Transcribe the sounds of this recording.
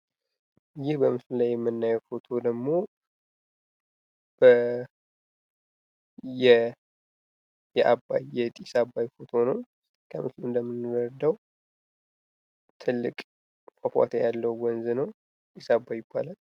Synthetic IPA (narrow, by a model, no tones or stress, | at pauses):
jɪhbəmɨslulajːɛmːɨnːajɛwfo̞t̪ʰo̞d̪əɡmo̞ | b̥ə | jɛ | jɛʔabːa̰jɛt̪ʼisabːajfot̪ʰonəw | kʰə̰mɨsluɨnd̪əmːɨnːɨəɾd̪əw | t̪ʰɨlːɨkʼ | fʼəfa̰t̪ʰajalːəwwɔnzɨnəw | t̪ʼisabːajɪbːalal